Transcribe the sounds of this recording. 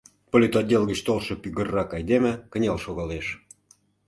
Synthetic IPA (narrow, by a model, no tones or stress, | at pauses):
polʲit̪odʲelɣə̆t͡ɕt̪olˠʃɤ̆pyɣə̆rːɑkɑjd̪emĕkə̆nʲɑlʃoɣɑleʃ